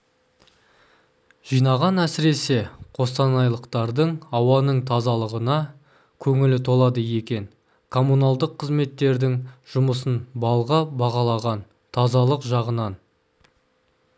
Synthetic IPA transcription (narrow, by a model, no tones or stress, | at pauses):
ʒ̥ijnɑʁɑnæsɪɾe̞se̞qʰo̞st̪ɑnɑjlˠəqt̪ɑɾd̪əɴɑwɑnəɴt̪ʰɑzɑlˠəʁənɑ | kʲʰɵŋɪlɪt̪ʰo̞lˠɑd̪əje̞kʲe̞ŋ | kʰo̞munɑlˠd̪əqʰːəzme̞t̪ːe̞ɾd̪ɪŋʒ̥ʊməsənbɑlˠʁɑbɑʁɑlˠɑʁɑn | t̪ʰɑzɑlˠəqʒɑʁənɑn